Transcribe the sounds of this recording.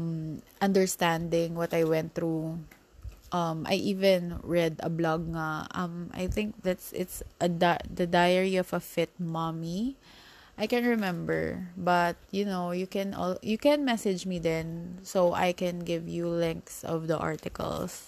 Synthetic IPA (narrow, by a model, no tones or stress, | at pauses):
mʔɐ̃nd̪əɹst̪æ̃nd̪ɪ̃ŋwɔt̪ajwɛ̃nt̪̚θɹu | ʔɐmʔa̰jʔivɛ̃nɹɛd̪ɐ̰blɔɡ̚ŋaʔɐ̃mʔa̰jθɪ̃ŋk̚ðat̪sʔɪt̪sʔɐd̪ad̪ɐd̪ajəɹiɔvɐfɪt̪̚mami | ʔajkɛ̃nɹɛmɛ̃mbɛ̰ɹbɐt̪̚jʊnoʊjukɛ̃nʔɔ̰ljukɛ̃nmɛsɪd͡ʒmid̪ɛ̃nsowʔa̰jkɛ̃nɡɪvjulɛ̃ŋksɔ̰vd̪əʔa̰ɹt̪ɪkɐ̰ls